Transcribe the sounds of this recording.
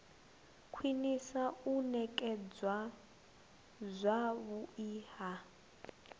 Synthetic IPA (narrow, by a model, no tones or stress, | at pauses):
kʰwinisaunɛkʼɛd͡zwa | zʷaβuiːha